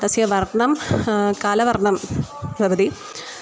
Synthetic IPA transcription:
t̪ɐsjɐʋɐrɳɐmkaːlɐʋɐrɳɐmʋɐbɐd̪i

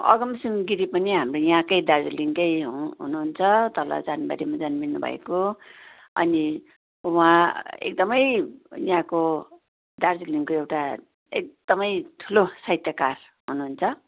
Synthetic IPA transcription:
ʌ̰ɡʌmsimɡiɾipʌniɦamrojãkʌjd̪ard͡ziliŋkʌjɦũɦṵnuɦunt͡sʰʌt̪ʌlʌ̰d͡zanbaɾimad͡zʌnminnubʱʌ̰ḛko | ʌ̰ni | wãḛk̚d̪ʌmʌjjãko | d̪ard͡ziliŋkoewʈa | ek̚d̪̥ʌmʌjt̪ʰulosʌjt̪jakar | ɦunuɦːnt͡sʰʌ

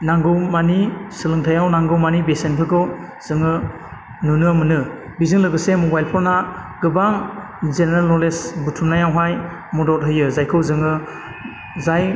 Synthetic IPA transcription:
naŋɡɯwmanisɯlɯŋtʰajawnaŋɡɯwmanibesenpʰɯkʰɯw | z̥ɯŋɯ | nunɯamɯnɯ | bizɯŋlɯɡɯsemɔbajlpʰɔɾnaɡɯbaŋ | zeneɾalɔlesbutʰumnajawɦaj | mɔdɔt̚ɦɯjɯzajkʰɯwzɯŋɯ | zaj

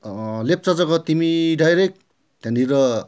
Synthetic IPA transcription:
lep̚t͡sʌd͡zʌkʌt̪imiɖajɾek̚ | t̪ãndiɾʌ

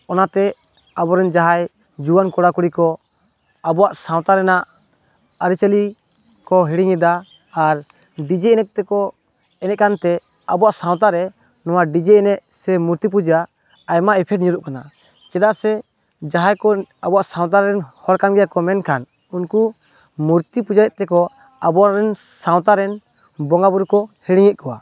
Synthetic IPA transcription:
ɔnat̪ɛ | abɔɾɛnd͡ʒaɦaj | d͡ʒuwankɔɽakuɽikɔ | abɔwaʔsãw̃t̪aɾɛnaʔ | aɾit͡ʃəli | kɔɦiɽiŋɛd̪aː | ɾ | ɖid͡ʒɛɛnɛk̚t̪ɛkɔ | ɛnɛt̪ʔ̚kant̪ɛ | abɔaʔsãw̃t̪aɾɛ | nɔwaɖid͡ʒɛɛnɛʔsɛmuɾt̪ip̬ud͡ʒaː | jmaɛpʰɛʈ̚ɲuɾuʔkana | t͡ʃɛd̪aʔsɛ | d͡ʒaɦajkɔabɔwaʔsaw̃t̪̬aɾɛnhɔɾkanɡɛjakɔmɛnkʰan | unku | muɾt̪ipud͡ʒaɾɛt̪̚t̪ɛkɔ | abɔaɾɛn | saw̃t̪aɾɛn | bɔŋɡabuɾukɔhiɽiŋɛt̪̚kʰɔwa

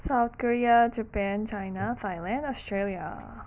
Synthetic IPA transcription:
saʊt̪kɔɹiad͡ʒəpæ̃nt͡ʃaɪnat̪ʰaɪjlæ̃ndɔstɹelˠja̰

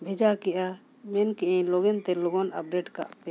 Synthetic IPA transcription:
bʱɛd͡ʒakɛʔa | mɛnkɛʔɛ̃lɔɡɛnt̪ɛlɔɡɔna̰p̚ɖɛʈka̰ʔpɛ

